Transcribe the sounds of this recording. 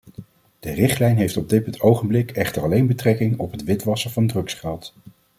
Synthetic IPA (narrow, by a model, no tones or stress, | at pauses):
d̥ərɪχtlɛjnɦejftɔb̚dɪtətʰowχəmblɪkʰɛχtərɑlejnbətrɛkɪŋɔpɦətʋɪtʋɑsəvɑndrɵksχɛlˠt